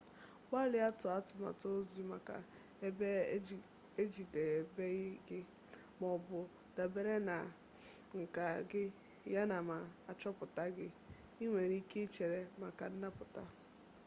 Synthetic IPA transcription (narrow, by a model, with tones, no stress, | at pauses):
wa˦lɪ˨˦a˦tʊ˨a˦tʊ˨ma̰˨to˦zi˦ma˨ka̰˨ | e˦be˦ | e˦d͡ʒi˨de˨e˨be˦ɣɡɪ˦ | mɔ˨bʊ˨ | da˨be˨ɾe˦na˨ | ŋ̩˨ka˨ɡɪ˦ | ja˦na˨ma˨a˨t͡ʃɔ˦pʊ˨ta˦ɡɪ˦ | i˦ŋʷe˨ɾi˦ke˦t͡ʃe˨ɾe˨ma˨ka˨n̩˦na˦pʊ˨ta˦